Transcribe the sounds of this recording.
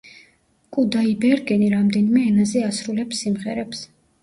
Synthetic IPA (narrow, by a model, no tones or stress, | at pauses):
kʼud̪aibɛɾɡɛniɾamd̪ɛnimɛːnazɛasɾulɛpsːimʁɛɾɛps